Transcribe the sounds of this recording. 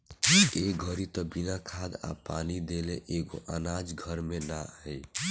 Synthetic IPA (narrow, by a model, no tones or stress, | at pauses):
eɡʱəɾit̪ɔbinakʰad̪a̰panid̪elḛʔeɡo̰ʔanad͡ʒɡʱəɾmenaj